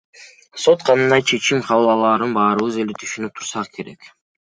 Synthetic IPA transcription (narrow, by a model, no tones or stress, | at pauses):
so̞t̪qʰɑnɯnd̪ɑjt͡ʃʰe̞t͡ʃimqʰɑβɯlˠɑlˠɑːɾɯnbɑːɾɯβɯze̞let̪ʰy̥ʃynyp̚t̪ʰuɾsɑʁɯkʰe̞ɾe̞̰k